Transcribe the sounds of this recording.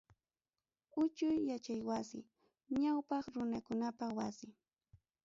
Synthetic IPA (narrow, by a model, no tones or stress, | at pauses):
ʊt͡ʃʊjːat͡ʃajwasɪ̰ | ɲawpɑχɾʊnakʊnapawasɪ